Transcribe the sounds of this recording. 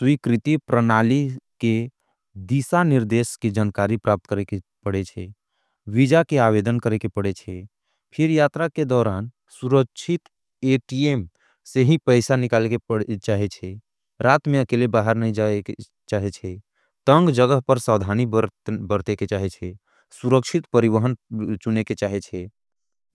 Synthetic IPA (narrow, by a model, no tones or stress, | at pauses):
swikɾit̪ipɾənaːlike | d̪isaniɾd̪esked͡ʒaːnkaɾipɾap̚t̪kəɾekepəɽet͡ʃʰɛ | ʋid͡ʒakeaʋed̪ənkəɾekepəɽet͡ʃʰɛ | pʰɪɾjaːt̪ɾaked̪ɔːɾaːn | suɾəkʃʰit̪ | eʈiem | seɦĩpəɪsanikaleket͡ʃaɦɛt͡ʃʰɛ | ɾat̪meəkelebaɦəɾnəĩd͡ʒae | t͡ʃaɦet͡ʃʰɛ | t̪əŋɡd͡ʒəɡəɦpəɾsəwd̪ʱanibəbəɾt̪eket͡ʃaɦɛt͡ʃʰɛ | suɾəkt͡ʃʰit̪pəɾiʋəɦənt͡ʃuneket͡ʃaɦet͡ʃʰɛ